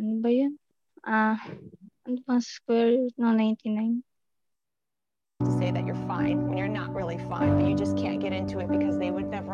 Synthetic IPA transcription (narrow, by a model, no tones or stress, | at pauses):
nbajun | ʔa | and̪wãnskwɛɹnãnãɪ̃nt̪ʰĩnãɪ̃n | tʰɨseɪðɨ̰t͡ʃə˞fãɪ̃nnə˞nə̰ʔ̚ɹɪlˠifã̰ɪ̃nbʌt͡ʃɨd͡ʒʌskʰæ̰̃nt̚ɡ̥ɛɾɪ̃ntʰuɨt̚b̥ɨkʰʌzðeɪwɨdⁿnɛvə